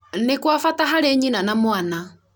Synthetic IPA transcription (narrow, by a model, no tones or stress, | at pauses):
nekwafataɦaɾeɲinanamwana